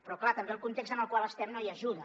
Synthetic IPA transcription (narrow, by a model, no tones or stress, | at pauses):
pɾɔklat̪əmbeəlˠkunt̪ekst̪ənəlˠkwalˠəst̪ɛmnoiəʒuðə